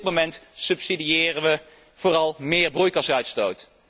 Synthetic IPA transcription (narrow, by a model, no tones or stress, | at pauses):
t̚momɛntsɵpsidiɪːrənʋə | v̥ʊːrɑlˠmɪːɹbrujkɑsœɥtstowt